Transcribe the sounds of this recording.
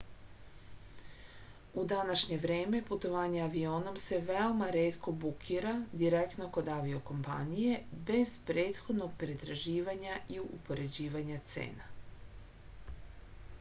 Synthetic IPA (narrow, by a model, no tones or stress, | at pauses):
ud̪anaʃɲe̞ʋɾe̞ːme̞put̪o̞ʋaːɲe̞aʋio̞ːno̞mse̞ʋeomaɾe̞ːt̪kʰo̞bukʰiːɾad̪iɾekt̪no̞ko̞d̪aʋio̞ko̞mpa̰nije̞be̞z̥pɾe̞ːt̪xo̞d̪no̞ɡ̚pɾet̪ɾaʒiːʋaɲaiupo̞ɾe̞d͡ʑiːʋaɲat̪sḛːna